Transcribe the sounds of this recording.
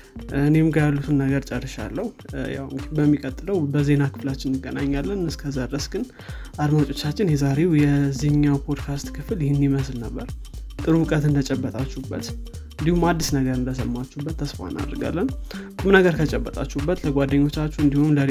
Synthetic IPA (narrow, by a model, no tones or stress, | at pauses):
ɨne̞mɡəjalːut̪ʰunːəɡəɾt͡ʃʼərːɨʃa̰lːəhuja̰wbəmːikʼət̪ʼːɨləwbəze̞nakɨ̥flat͡ʃːɪnːɨɡːənaɲːalːənɨskʰəzad̪əsɡɨn | ʔad̪mat͡ʃʼo̞t͡ʃːat͡ʃːɪnjɛzaɾe̞wjɛziɲːawpʰo̞d̪kʰast̪kʰɨfljɪhɪnːiməslnəbːəɾ | t̪ʼɨɾwʊkʼət̪ɨnd̪ət͡ʃʼɛbːət̪ʼat͡ʃːɛhubːət̪ | ɨnd̪ihumad̪ːisnəɡəɾɨnd̪əsəmːat͡ʃːuhbːət̪ʰːəsfa̰na̰d̪ɾɨɡa̰lːənkʼumnəɡəɾkʰət͡ʃʼəbːət̪ʼa̰t͡ʃːuubːət̪ləɡʷad̪ːəɲːo̞t͡ʃːat͡ʃːuɨnd̪ihumlə